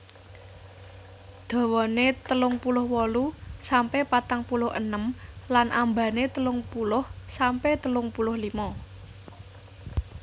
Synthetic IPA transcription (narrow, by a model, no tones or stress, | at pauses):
d̪̥o̤wɔnet̪əlʊŋpulʊhwɔlusampepat̪aŋpulʊhə̰nəmlanʔa̰mbä̤net̪əlʊŋpulʊhsampet̪əlʊŋpulʊhlimɔ